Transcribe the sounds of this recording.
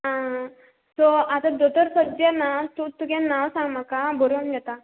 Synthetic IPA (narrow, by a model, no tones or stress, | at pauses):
ɦã | sɔat̪ad̪ot̪əɾsəd̪janat̪ut̪ukãnaʋsãŋɡm̤akabʱoɾʋand͡ʑɛt̪a